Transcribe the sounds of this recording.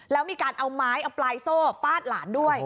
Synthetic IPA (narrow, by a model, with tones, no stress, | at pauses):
lɛː˦˥wmiː˧kaː˧nʔa˧wmaː˦˥jʔa˧plaː˧jsoː˥˩faː˥˩t̪̚laː˩˦ndu˥˩əj